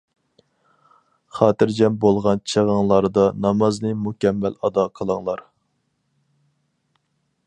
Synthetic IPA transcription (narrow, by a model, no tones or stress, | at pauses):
χɑːt̪ɨɾd͡ʒɛmbolˠʁɑnt͡ʃʰeʁəŋlˠɑɾd̪ɑnɑmɑznɨmukʲɛmːɛlɑd̪ɑqʰəlˠɑŋlˠɑɾ